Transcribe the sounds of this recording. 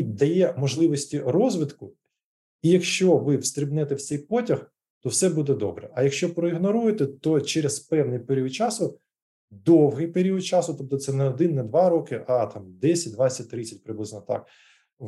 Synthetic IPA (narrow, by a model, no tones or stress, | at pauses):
d̪ɐjɛmɔʒlˠɪʋɔsʲtʲirɔzʋɪt̪kʊ | ijɐkʃt͡ʃɔʋɪwst̪ɾʲɪbnɛt̪ɛwsʲɛjpɔtʲɐx | t̪ɔwsɛbud̪ɛd̪ɔ̰bɾɛʔɐjɐkʃt͡ʃɔpɾɔɪɣnɔɾujet̪ɛt̪ɔt͡ʃɛɾezpɛwnɪjpeɾʲiʊd̪̚t͡ʃɑsʊ | d̪ɔwɦɪjpeɾʲiʊd̪̚t͡ʃɑsʊt̪ɔp̚t̪ɔt̪sɛnɛɔd̪ɪnːɐd̪ʋɑɾɔkɪʔɑt̪ɑmd̪ɛsʲɐt̚ʲd̪ʋat͡sʲːɐt̚ʲt̪ɾɪt͡sʲɐtʲpɾɪblɪznɔt̪a̰k